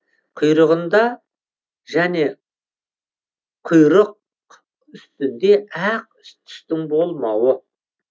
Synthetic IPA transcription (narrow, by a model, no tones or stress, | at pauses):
qʰʊjɾəʁənd̪ɑ | ʒæne̞ | qʰʊjɾəq̚ | ʏst̪ɪnd̪e̞æq̚ | t̪ʰɪ̥st̪ɪŋbo̞lˠmɑwə